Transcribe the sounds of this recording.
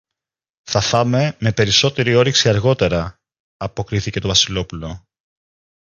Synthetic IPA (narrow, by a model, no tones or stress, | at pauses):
θɐfɐme̞me̞pe̞ɾiso̞t̪e̞ɾio̞ɾiksiɐɾɣo̞t̪e̞ɾɐː | po̞kɾiθice̞t̪ovɐsilo̞pulo̞